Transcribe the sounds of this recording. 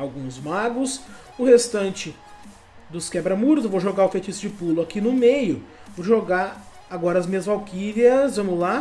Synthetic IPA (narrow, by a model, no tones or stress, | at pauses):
awɡũzmaɡʊs | ʊhest̪ɐ̃nt͡ʃɪ | d̪ʊskɛbɾɐmuɾzvoʒoɡaʊfejt͡ʃisɪd͡ʒɪpulʊakinʊmejʊ | voʒoɡaɾ | aɡɔɾɐzmĩɲɐzvawkiviɐsvɐ̃mʊla